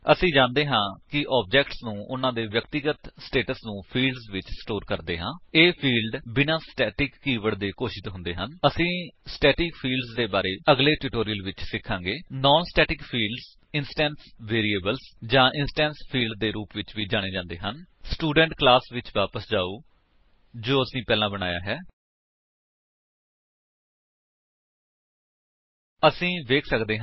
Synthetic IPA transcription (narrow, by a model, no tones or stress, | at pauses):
əsĩːd͡ʒãːnd̪eːɦãːkɪʔɔːb̚d͡ʒɛːkʈsnũːʔʊnãːd̪eːʋjəkt̪ɪɡət̪sʈeːʈəsnũːpʰiːlɖzʋɪt͡ʃsʈoːɾkəɾd̪ḛːɦãːeːpʰiːlɖbɪnãːsʈɛːʈɪkːiːʋəɽd̪eːkoːʃɪt̪ɦʊ̃nd̪eːɦənəsĩːsʈɛːʈɪkpʰiːlɖzd̪eːbaːɾeːəɡleːʈuːʈoːɾijəlʋɪt͡ʃsɪkʰːãːŋɡeːnɔːnsʈɛːʈɪkpʰiːlɖz | ɪnsʈɛ̃ːnsʋeːɾiːeːbəlsd͡ʒãːʔɪnsʈɛ̃ːnspʰiːlɖd̪eːɾuːpʋɪt͡ʃʋiːd͡ʒaːɽ̃eːd͡ʒãːnd̪ḛːɦənsʈuːɖə̃ɳʈklaːsʋɪt͡ʃʋaːpəsd͡ʒaːuː | d͡ʒoːəsĩːpɛːlãːbəɽ̃aːja̰ːɦɛː | əsĩːʋeːkʰsəkd̪eːɦ